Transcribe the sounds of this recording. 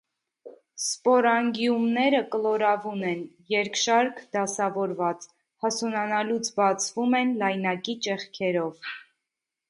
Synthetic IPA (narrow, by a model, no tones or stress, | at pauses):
spɔɾɑŋɡjumnɛɾəkəlɔɾɑvunɛn | jɛɾkʃɑɾkʰd̪ɑsɑvɔɾvɑt͡s | hɑsunɑnɑlut͡sʰbɑt͡sʰvumɛnlɑjnɑkit͡ʃɛχkʰɛɾɔv